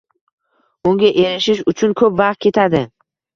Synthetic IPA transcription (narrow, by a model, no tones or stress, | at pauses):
ʊŋɡʲaʔeɾɪʃɪʃʊt͡ʃʰʊnkʰɵpvɑqt̪̚kʲe̞t̪ʰad̪ɪ